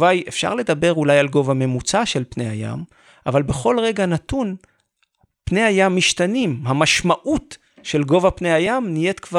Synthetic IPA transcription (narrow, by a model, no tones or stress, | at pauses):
vajefʃa̰ʁle̞d̪abe̞ʁulajalɡo̞vame̞mut͡saʃe̞lpnejha̰ja̰m | ʔavalbe̞χo̞lʁe̞ɡanatun | pne̞ajamːiʃtanimhamaʃmaʔut | ʃe̞lɡo̞vapnejajamnije̞t̪kva